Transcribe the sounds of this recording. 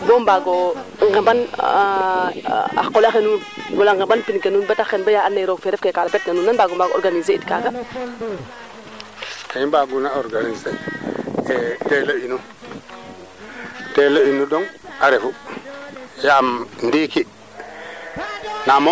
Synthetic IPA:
bombaːɡo | ŋɡemban | a̰kːolaxenunwalaŋɡembanpinkenunbetaxenbejaanːejɾofeɾefkekalapetnanunːanbaːɡombaɡooɾɡanizeitkaɡa | eimbaɡunaoɾɡanise | eteloinu | teloinuɗoŋaɾefu | jamndiki | namo

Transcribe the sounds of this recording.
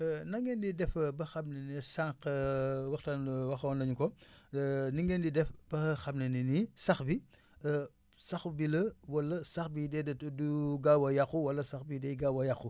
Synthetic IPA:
nɐŋɡɛndidɛfɐbɐxɐmnɛnɛsãŋqwɐxtɐnwɐxɔːndɐɲukɔ | niŋɡɛndidɛfb̥ɐxɐmnɐnɛnisɐxbi | sɐxubilɐwɐlːɐsɐxbidɛdɐtduɡawɐjɐxuwɐlːɐsɐxbidɛɡaːwɐjɐxu

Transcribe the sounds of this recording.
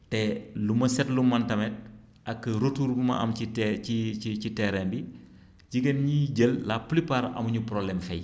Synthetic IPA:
tɛlumɐsɛtlumːɐntɐmɛt̚ | ʔɐkːəɾutuːɾbumɐ̰ʔɐ̰miiicitɛːɾɛnbi | ɟiɡɛnɲiɟəllapːlipaɾɐ̰muɲupɾoblɛmfɛj

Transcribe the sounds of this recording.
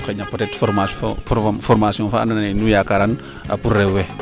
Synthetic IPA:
kaɲapːotetfoɾmasfɾfoɾmasiõnfa̰nannenujakaɾan | a̰puɾːewe

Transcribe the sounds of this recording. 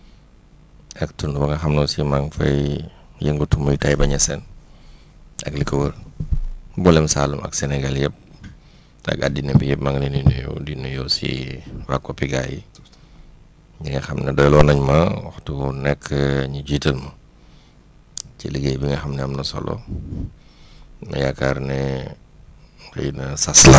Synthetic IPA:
ɐktundubɐŋɡɐxɐmnɔsimaŋfɐj | jəŋɡutumujutajbɐɲɛsɛn | ɐklikowəɾ | bɔlɛmsalumɐ̰ksɛnɛɡaljɛp̚ | nɐ̰ka̰dinɐbijɛp̚maŋnininṵjṵdinːujɔsḭɾakːɔpiɡa̰ːji | iŋɡɐxɐmnɛdɔjlɔːnɐɲmɐwɐ̰xtunɛkʰːəɲud͡ʒiːtɐlmɐ | t͡ʃiləɡejbiŋɡɐxɐmnɛɐmnɐsɔ̰lʔɔ̰ | mɐ̰jakːaɾnɛ | kɐ̰jnɐsasla

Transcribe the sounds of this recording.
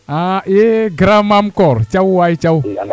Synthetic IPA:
aeɡɾamamkɔrt͡ʃawajt͡ʃau

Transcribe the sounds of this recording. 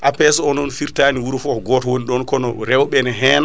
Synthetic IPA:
ʔapɛsɔnɔnfiɾtaniwuɾɔfɔɡɔtɔwoniɗɔnkɔnɔɾɛwɓɛnɛɦɛːna

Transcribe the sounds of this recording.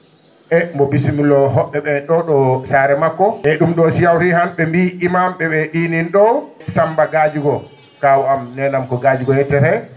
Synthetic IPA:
ʔɛmbɔbisimilɔɦɔɓːɛɓɛɗɔɗɔsaːɾɛmakːɔʔɛɗumɗɔsijawɾihanɓɛmbiʔːmamɓɛɓɛɗininɗɔ | sambaɡad͡ʒuɡɔ | kawɔamnɛnamkɔɡad͡ʒuɡɔjɛtɛɾɛ

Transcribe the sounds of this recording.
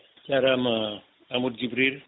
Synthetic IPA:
taɾam | amut̚ɡibɾiɾ

